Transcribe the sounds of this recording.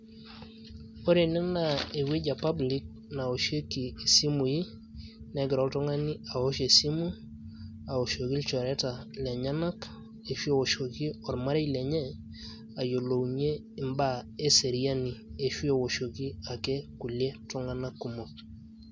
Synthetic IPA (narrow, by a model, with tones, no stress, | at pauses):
o˦ɾe˨nɛ˦na˨e˨we˦ɟa˨pa˦bli˦k̚ | na˨o˨ʃe˦ki˨e˨si˦mu˨ji˦ | nɛ˦ɡɪ˨ɾɔ˦ltu˦ŋa˦ni˦a˨wo˦ʃe˨si˦mu˦ | a˨o˨ʃo˨ki˦lt͡ʃɔ˨ɾɛ˦ta˨lɛ˨ɲa˦na˦k | e˨ʃwe˦wo˨ʃo˨ki˦ɔ˨ɾma˦ɾe˦jlɛ˨ɲɛ˦ | a˨jo˨lo˨wɲe˦ | i˨mba˦e˦se˨ɾia˦ni˨e˨ʃwe˦wo˨ʃo˨ki˦a˨ke˦ku˨lje˦tu˦ŋa˦na˦kːu˨mo˨